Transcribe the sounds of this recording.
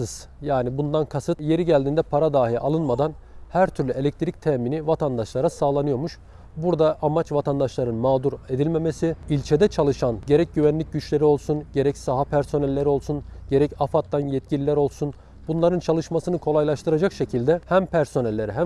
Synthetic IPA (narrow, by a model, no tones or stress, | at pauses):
ɯz̥ | jaːnibund̪ankʰasɯt̪je̞ɾiɟælʲd̪iːnd̪ɛpʰaɾad̪aːɦialˠɯnmad̪an | hæɾt̪ʰyɾlʲyelʲɛc̚t̪ʰɾic̚t̪ʰɛːminivat̪ʰand̪aʃlˠaɾasaːlˠanɯjo̞ɾmuʃ | buɾd̪aʔːmat͡ʃvat̪ʰand̪aʃlˠaɾɯnmaːd̪uɾe̞d̪ilʲme̞mesiilʲt͡ʃʰed̪ɛt͡ʃʰalˠɯʃanɟe̞ɾɛc̚ɟyvænlʲic̚ɟyt͡ʃlʲe̞ɾio̞lˠsunɟe̞ɾɛcsaɦapʰæɾso̞nɛlʲːeɾio̞lˠsunɟe̞ɾɛcafat̪lːanjɛt̪̚cʰilʲilʲæɾo̞lˠsun | bunlˠaɾɯnt͡ʃʰalˠɯʃmasɯnɯkʰo̞lˠajlˠaʃt̪ʰɯɾad͡ʒakʃe̞cʰilʲd̪ɛhæmpʰæɾso̞nɛlʲːe̞ɾɛɦæ